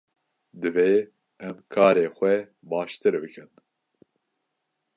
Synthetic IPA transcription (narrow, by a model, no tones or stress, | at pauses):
d̪ɨveː | ɛmkʰɑːɾeːxʷɛ | bɑːʃt̪ɨɾbɨkʰɨn